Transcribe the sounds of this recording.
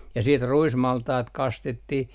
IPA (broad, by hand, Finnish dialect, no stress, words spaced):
jɑ siːt ruismɑltɑːt kɑstetːih